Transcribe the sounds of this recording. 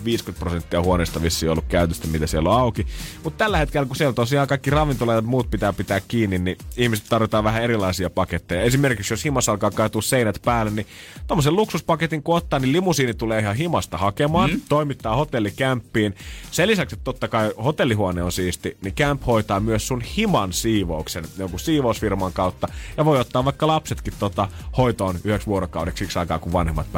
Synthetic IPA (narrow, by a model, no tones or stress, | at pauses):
ʋiːskyt̪̚prosent̪ːiɑhuoneːst̪ɑʋisːieiolːukkæyt̪øst̪æmit̪æsielːoɑukimut̪t̪ælːæhet̪kelːkusielt̪osiɑːŋkɑikːirɑʋint̪olɑjɑt̪muːt̪̚pit̪æːpit̪æːkkiːnːinniihmise̥t̪t̪ɑrʋit̪ɑːʋæhæeɾilˑɑisiɑpɑket̪ːejɑesimerkiksjoshimɑsɑlkɑːkɑːt̪uːsseinæt̪pæːlːˑenni | t̪omːoselluksuspɑket̪iŋkot̪ːɑːnnilimusiːnit̪uleːihɑhimɑst̪ɑhɑkemɑːnt̪oimit̪ːɑːhot̪elːikæmpːiːnselisækset̪t̪ot̪ːɑkɑihot̪elːiɦuoneːonsiːst̪inikæmphoit̪ɑːmyøssunhimɑnsiːʋouksenjoŋkussiːʋousfirmɑŋkɑut̪ːɑjɑʋoiot̪ːɑːʋɑikːɑlɑpset̪kit̪t̪ot̪ɑhoit̪oːnyheksʋuoɾokɑuɾeksiksɑikɑ̰ːkuʋʋɑnhemːɑt̪̚p